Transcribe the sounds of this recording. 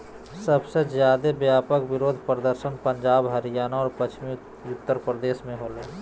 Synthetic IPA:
səbsezjaːd̪ebjaːpəkbɪɾoːd̪ʱpɾəd̪əɾsənpəɲd͡ʒaːbɦəɾijaːnaɔːɾpət͡ʃʰmi | ʊt̪ːəɾpɾəd̪eːsmẽɦoːleː

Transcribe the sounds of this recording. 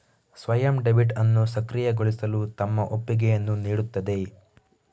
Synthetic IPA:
sʋɐjɐmɖebiʈɐnːusɐkɾijɐɡoɭisɐlut̪ɐmːɐʔopːiɡɛjɐnːuniːɽut̪ːɐd̪e̞

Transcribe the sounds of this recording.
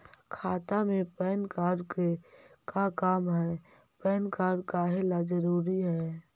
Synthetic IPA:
kʰaːt̪amẽpɛːnkaːɾɖk | kakaːmɦɛː | pɛːnkaːɾɖkaɦelad͡ʒəɾuːɾiɦɛː

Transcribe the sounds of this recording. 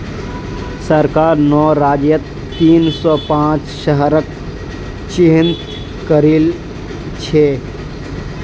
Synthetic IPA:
səɾkaːɾnɔːɾaːd͡ʒjət̪ː | iːnsɔːpãːt͡ʃʃəɦəɾək | t͡ʃɪɦɪ̃nt̪ | kəɾil | t͡ʃʰeː

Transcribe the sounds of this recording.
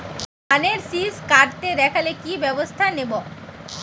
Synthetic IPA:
aneɾsiskaɾt̪eɾɛkʰalekibɛbost̪ʰanebo

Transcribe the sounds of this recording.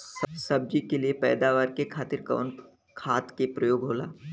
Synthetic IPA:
sɐb̚d͡ʒikeliepɛːd̪aːʋaːɾkekʰaːt̪ɪɾkə̰ːn | kʰaːt̪kepɾɐjoːɡɦoːla̰ː

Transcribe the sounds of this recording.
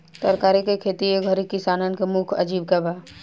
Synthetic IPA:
t̪ɐɾkaːɾikekʰeːt̪ieɡʱəɾikɪsaːnənkemukʰɐ̰d͡ʒiːb̚kɐbaː

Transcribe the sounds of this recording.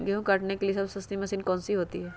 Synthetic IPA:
ɡeɦũkɐʈnekeliesɐbsɐst̪imɐsiːnkɔ̃ːnsiɦoːt̪iɦɛː

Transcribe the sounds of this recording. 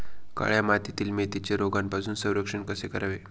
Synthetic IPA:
ka̰ɭjamat̪it̪iːlmet̪it͡ɕeɾoɡanpasuːnsə̃w̃ɾəkʂəɳkəsekəɾaʋe

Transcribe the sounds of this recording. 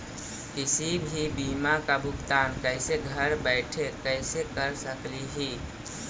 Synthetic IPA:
kɪsibʱibiːmakabʱʊkt̪aːnkɛːɪseɡʱəɾbɛːɪʈʰekɛɪsekəɾsəkliɦiː

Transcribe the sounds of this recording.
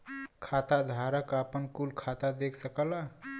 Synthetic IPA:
kʰat̪ad̪ʱaɾəkəpənkulkʰat̪ad̪ekʰsəkəla

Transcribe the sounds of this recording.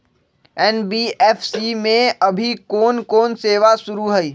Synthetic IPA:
ɛːnbiːʔɛːfʰsimẽɐbʱikɔːnkɔːnseːʋasʊɾuɦɛiː

